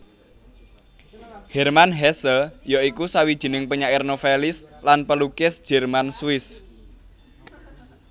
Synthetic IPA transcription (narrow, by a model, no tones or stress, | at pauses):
hɛrmanɦɛsəjaikusawid̥ʒ̥i̤nɪŋpəɲaɪrnofelɪslanpəlukɪsd̥ʒ̥ɛ̤rmansuɪs